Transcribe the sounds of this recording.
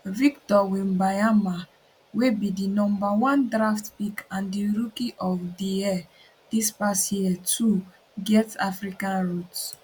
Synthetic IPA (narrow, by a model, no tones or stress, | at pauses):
vik̚tɔwĩmbajama | webidinɔ̃mbawɔ̃ndɹaftpikãndiɹukiʔɔfdiɛ | d̥ispasjiɛtʰu | ɡɛtafɹikãnɹut